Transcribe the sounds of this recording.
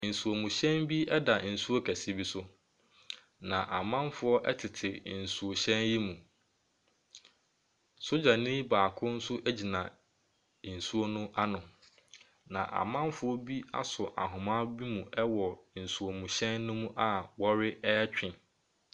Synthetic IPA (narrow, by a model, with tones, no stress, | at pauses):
n̩˨su˨o˨mũ˨ɕɛ̃˦nbi˦ɛ˦da˨n̩˨su˦o˦kʰæ˨si˦bi˦sʊ˦ | nã˨ʔa˨mã˦mfʊ˦ɔ˦ʔɛ˦tʰɪ˨tʰɪ˨n̩˨su˨o˨ɕɛ̃˦nji˦mũ˨ | so˦d͡ʑa˨nĩ˦baː˨kʰʊ̃˦n̩˦sʊ˦ʔɛ˦d͡ʑi˨nã˨ | n̩˨su˦o˦nʊ̃˦ʔa˦nʊ̃˨ | nã˨ʔa̰˨mã˦mfʊ˦ɔ˦bi˦a̰˦sʊ˨ʔa̰˨ɦʊ̃˨mã˦bi˦mũ˨ɛ˦wɔ˨n̩˨su˨o˨mũ˨ɕɛ̃˦nːʊ̃˦mũ˦ʔa˨wɔ˦ɾɪ˦ɛ˦t͡ɕᶣɪ̃˨